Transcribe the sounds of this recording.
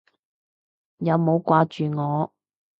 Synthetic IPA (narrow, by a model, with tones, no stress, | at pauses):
jɐ˨˧wmo˨˧wkʷaː˧t͡ʃyː˨ŋɔː˨˧